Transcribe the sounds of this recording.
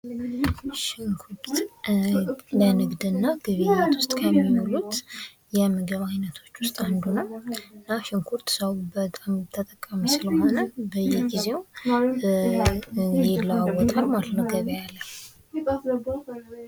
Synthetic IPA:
ʃɪŋkʰuɾt̪ | lənɨɡd̪ɨnːaɡɨβijat̪ʰwʊst̪ʼkʰəjɛmːiholut̪ | jɛmɨɡəβajnət̪ʰo̞t͡ʃːwʊst̪ʼand̪unəwɨnːaʃɪŋkʰuɾt̪səwbət̪ʼamt̪ʰət̪ʼəkʼːəmisɨləho̞nəbəjːɛɡize̞w | ɡeləawɔt̪ʼəɾmalət̪nəwɡəβjalːəh

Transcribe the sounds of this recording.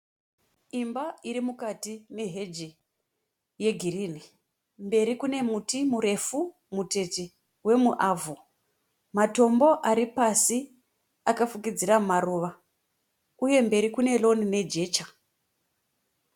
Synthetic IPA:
imbaiɾimukatine̞ɦe̞d͡ʒi | je̞ɡʱiriːni | mbe̞ɾikune̞mutimuɾe̞fu | mute̞ti | we̞muʔaːvo | mato̞mbo̞ʔaɾipasi | akafukid͡ziɾaumaɾuʋa | uje̞mbe̞ɾikune̞lo̞nine̞d͡ʒe̞ːt͡ʃḁ

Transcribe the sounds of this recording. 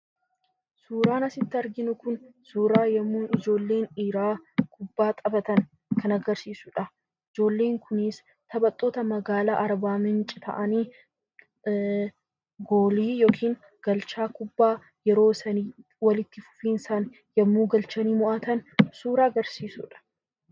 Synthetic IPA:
suːɾaːnɐsɪt̪ːɪɐɾɡɪnʊkʊnsuːɾaːjɐmːuːɪd͡ʒo̞ːlːe̞ːniːɾaːkʰʊbːaːt̪ʼɐbɐt̪ɐn | kʰɐnɐɡɐɾsiːsʊᶑɐ | ɪd͡ʒo̞ːlːeːŋkʰʊnɪs | t̪ɐbɐt̪ʼːo̞ːt̪ɐmɐɡaːla̰ːʔɐɾbaːmɪnt͡ʃʼɪ̥t̪ʰɐ̰ʔɐniː | ɡo̞ːliːjo̞ːkʰiːŋ | ɡ̥ɐlt͡ʃaːkʊbːaː | jɛɾo̞ːsɐniː | wɐlɪt̪ːɪfʊ̥fiːnɪsaːn | jɐmːuːɡɐlt͡ʃɐniːmʊʔɐt̪ɐnsuːɾaːɐɡɐɾsiːsʊ̰ᶑɐ̥

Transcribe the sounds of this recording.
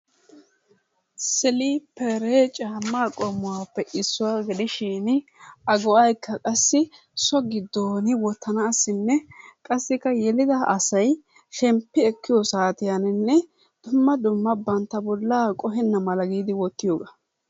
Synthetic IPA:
sɪliːpʰɛɾeːt͡ʃʼaːmːaːkʼɔmːʊwaːpːɛʔɪsːʊwaːɡɛd̪ɪʃiːnɐɡɔʔɐjkʰːɐkʼɐsːɪ | sɔɡɪd̪ːoːnɪwɔt̪ːɐnɐːsːɪnːɛkʼɐsːɪkːɐjɛlɪd̪ɐʔɐsɐj | ʃɛmpːɪɛkːɪjɔsaːt̪ɪjanɪnːɛ | d̪̥ʊmːɐd̪ʊmːɐbɐnt̪ːɐbɔlːaːkʼɔɦɛnːɐmɐlɐɡiːd̪ɪwɔt̪ːɪjoːɡɐ

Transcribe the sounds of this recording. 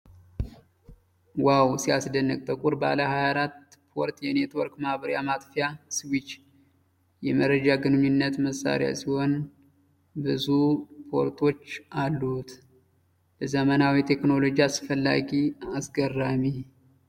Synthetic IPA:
wawsiasd̪ənːəkʼt̪ʼəkʼuɾba̰ləhajaɾat̪ːpʰo̞ɾt̪jɛne̞t̪wɔɾkmahbəɾjamat̪fijaswit͡ʃː | jɛməɾəd͡ʒaɡɨnɨɲːɨnːət̪məsːa̰ɾɪja̰siho̞n | bɨzupʰo̞̰ɾt̪ʰo̞t͡ʃːʔalːut̪ | ləzəmənawit̪ʰe̞kno̞lo̞d͡ʒiasɨfəlːa̰ɡiasɡərːami

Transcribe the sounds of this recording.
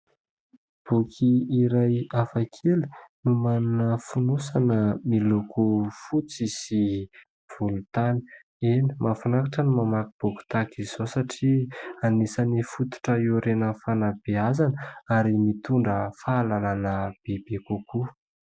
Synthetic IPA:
b̥ukʰiːɾajafakʰeli̥numanunəfunusanəmilukʰufut͡sisi | v̥ulut̪ani̥ | eni̥mafanakaʈ͡ʂənumamakib̥uki̥t̪akiz̥osaʈ͡ʂianisanifut̪u̥ʈ͡ʂəewɾenəfanab̥eazanəaɾimit̪uɳɖ͡ʐəfaalalanəb̥ebekuku

